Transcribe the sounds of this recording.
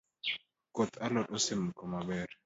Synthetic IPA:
kɔt̪ʰalɔɗɔsimkɔmabɛɾ

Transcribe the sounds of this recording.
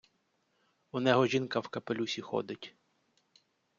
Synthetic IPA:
unɛɦɔʒʲinkɐwkɐpelʲusʲixɔ̰d̪ɪtʲ

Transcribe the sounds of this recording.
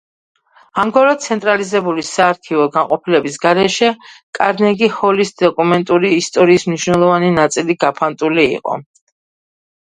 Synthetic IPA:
amɡɔɾɔsʰɛnt̪ʼɾalizɛbulisaːɾkʰivɔɡanqʼɔpʰilɛbisɡaɾɛʃɛkʼaɾnɛɡihɔlisd̪̥ɔkʼumɛnt̪ʼuɾiːst̪ʼɔɾiːsmniʃwnɛlˠɔvaninat̪sʼiliɡapʰant̪ʼulḭːqʼɔ̰

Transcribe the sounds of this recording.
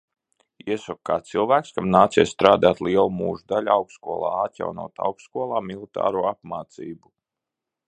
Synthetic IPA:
iɛsɔkkːaːtt̪silˠvæːkskamnaːt̪siɛst̪ɾaːd̪aːt̪lˠiɛlˠumuːʒud̪alʲawkskuɔlˠa̰ːat̪ja̰wnṵɔt̪a̰wkskuɔlˠaːmilˠit̪a̰ːɾuːapmaːt̪siːbu

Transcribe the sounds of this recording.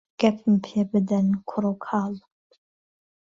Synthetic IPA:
ɡ̥ɐpʰmpʰjɛbɨd̪ɐnkʷʰʊɾokʰaːl

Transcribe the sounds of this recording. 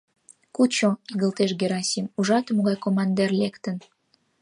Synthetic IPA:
kut͡ɕoiɣəlt̪eʃɡeɾɑsʲimuʒɑt̪əmoɣɑjkomɑnd̪erlekt̪ən

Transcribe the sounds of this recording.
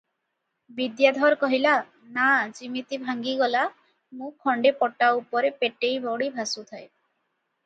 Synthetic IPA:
bid̪jad̪ʱɔɾkɔɦila | nad͡ʒimit̪ibʱaŋɡiɡɔla | mũkʰːɔɳɖepɔʈaupɔɾepeʈejbɔɽibʱasut̪ʰaj

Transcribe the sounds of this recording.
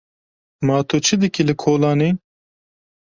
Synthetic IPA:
mɑːt̪ʰut͡ʃʰɨd̪ɨkilɨkʰoːlɑːniː

